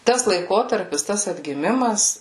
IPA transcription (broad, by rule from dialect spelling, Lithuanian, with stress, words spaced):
ˈtɐs lˠɐɪˈkoːtɐrʲpʲɪs ˈtɐs ɐdʲɡʲɪˈmʲɪmɐs